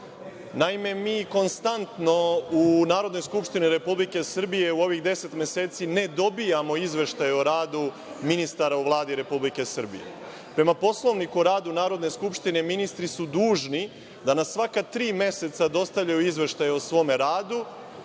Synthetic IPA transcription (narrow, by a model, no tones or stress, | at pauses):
naime̞miːko̞nst̪ant̪no̞unaːɾo̞d̪no̞jskupʃt̪iniɾe̞publike̞sr̩bije̞uo̞ʋiɣd̪e̞se̞t̪me̞seːt̪sine̞d̪o̞bijamo̞izʋe̞ʃt̪ajeoɾaːd̪u | minist̪aɾauʋlˠaːd̪iɾe̞publike̞sr̩bḭjḛ | pɾe̞mapo̞slˠo̞ʋnikuoɾaːd̪unaːɾo̞d̪ne̞skupʃt̪ine̞minist̪ɾisud̪uːʒni | d̪anasːʋakat̪ɾiːme̞se̞t̪sad̪o̞st̪aʋʎajuizʋe̞ʃt̪ajeosʋo̞ːmeɾaːd̪u